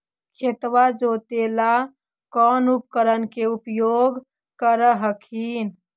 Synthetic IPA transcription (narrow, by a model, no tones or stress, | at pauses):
kʰet̪ʋad͡ʒot̪ela | kɔnup̚kəɾənkeupjoɡ | kəɾəɦəkʰin